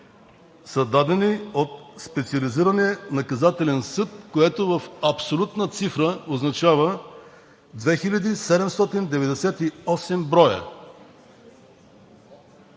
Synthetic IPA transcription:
sɐd̪ad̪ɛniot̪spɛt̪siɐliziɾɐnɛnɐkɐzat̪ɛlɛnsɤt̪̚koɛt̪ovəfɐpsolʲut̪nət̪sifɾəoznɐt͡ʃavə | d̪vɛxilʲɐd̪isɛd̪ɛmst̪ɔt̪ind̪ɛvɛd̪ɛsɛt̪iɔsɛmbɾɔjə̰

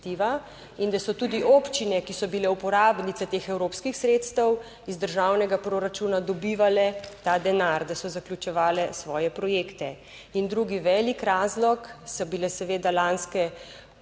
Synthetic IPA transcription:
t̪iːʋa | ind̪asɔt̪uːd̪iʔoːpt͡ʃinɛkisɔbilɛupɔɾaːbnit̪sɛt̪eːxɛwɾoːpskixsɾeːt̪st̪əw | izd̪əɾʒaːwnɛɡapɾoɾat͡ʃuːnad̪ɔbiːʋalɛt̪ad̪ɛnaɾd̪asɔzaklʲut͡ʃɛʋaːlɛsʋɔːjɛpɾɔjeːkt̪ɛ | ind̪ɾuɡiʋɛːlikɾaːzlɔksɔbilɛsɛʋeːd̪alanskɛ

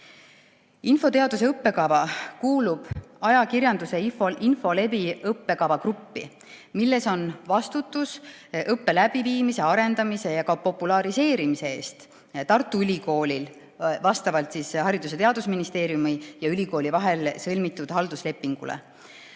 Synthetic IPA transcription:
info̞t̪e̞ɑd̪us̬e̞ɤpːe̞kɑvɑkuːlub̥ɑjɑkiɾjɑnd̪use̞ifoinfo̞le̞biɤpːe̞kɑvɑkrupːḭ | milːe̞so̞nvɑst̪ut̪ːˑus | ʔɤpːe̞læb̥iviːmise̞ɑɾe̞nd̪ɑmise̞jɑkɑpo̞pːulɑɾise̞ːɾimise̞eːst̪ | t̪ɑrt̪ːˑuylʲiko̞ːlʲil | vɑst̪ɑvɑlt̪sishɑɾid̪us̬e̞t̪eɑd̪̥usminist̪e̞ːɾjumijɑylʲiko̞ːlivɑɦe̞lsɤlmit̪ːˑud̪̥hɑld̪usle̞pːiŋɡ̥ṵlḛ

